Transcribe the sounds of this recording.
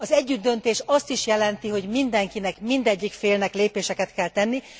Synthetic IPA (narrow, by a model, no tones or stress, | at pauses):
ɒzɛɟːyd̪ːø̞nt̪eːʃɒst̪iʃjɛlɛnt̪iɦo̞ɟmind̪ɛŋkinɛkmind̪ɛɟːikfeːlnɛkleːpeːʃɛkɛt̪kɛlt̪ɛnːi